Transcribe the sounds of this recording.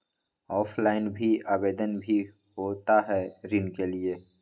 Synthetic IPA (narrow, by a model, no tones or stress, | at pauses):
ɔːpʰlaːɪnbʱiaːbeːd̪ənbʱi | ɦoːt̪aɦɛɾɪnkelieː